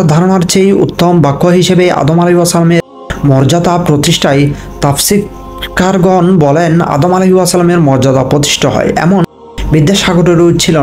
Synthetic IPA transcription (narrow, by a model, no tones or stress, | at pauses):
d̪ʱaɾonaɾt͡ɕejṵt̪ːombakʰːoɦiʃebeʔa̰d̪omaleɦuwasalameɾ | mɔɾd͡ʑad̪apɾot̪iʃʈʰaj | t̪afsit̪ | kaɾɡɔnbɔlena̰d̪omaleɦiwasalameɾmɔɾd͡ʑad̪apɾot̪̬i̥ʃʈʰoɦɔ̰eʔɛ̰mon | bid̪ːeʃaɡoʈeɾut͡ɕʰilo